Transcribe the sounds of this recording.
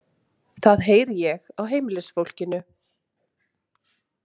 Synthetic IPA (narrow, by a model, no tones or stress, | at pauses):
θaðɦeːjɾjɛɣawɦeːjmɪlɛsfowl̥cɪnʏ